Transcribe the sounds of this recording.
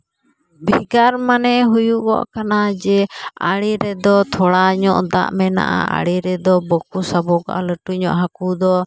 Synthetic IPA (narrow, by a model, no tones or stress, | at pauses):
bʱiɡaɾmanɛɦujuʔkɔ̰ʔkanad͡ʒɛa̰ɽiɾɛd̪ɔt̪ʰɔɽaɲɔʔd̪a̰ʔmɛna̰ʔa̰a̰ɽiɾɛd̪ɔbəkusabɔɡa̰ʔa̰ləʈuɲɔʔɦakud̪ɔ